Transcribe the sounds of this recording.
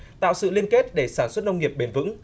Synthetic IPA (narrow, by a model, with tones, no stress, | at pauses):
t̪a̰ː˧˨wsɨ̰˧˨li˧ənke˦˥t̚ɗe˧˩saː˧˩nswə˦˥t̚nə˧wŋ͡mŋi˨˩əp̚ɓe˨˩nvɨ̰˧˥ŋ